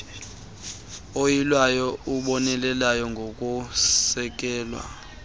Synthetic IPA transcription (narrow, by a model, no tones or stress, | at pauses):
ojilwajɔuɓɔnɛlɛlajɔŋɡʱokʼusɛk̬ʼɛːlwa̰